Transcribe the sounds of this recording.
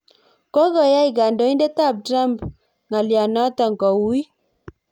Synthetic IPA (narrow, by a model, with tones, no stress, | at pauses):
kɔ˦ɣɔ˨ja˦i˨ɡa˨ndɔ˨˦i˦nde˦ta˦˨p̚tɾa˦˨mp | ŋa˨lja˨na˦tɔ˨ŋ˨kɔ˨wu˦i˦